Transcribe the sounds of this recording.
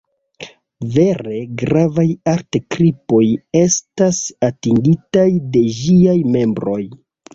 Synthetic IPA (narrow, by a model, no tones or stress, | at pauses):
ve̞ɾe̞ɡɾavajaɾtekɾipo̞je̞stasatiŋɡitajde̞d͡ʒiajme̞mbɾo̞j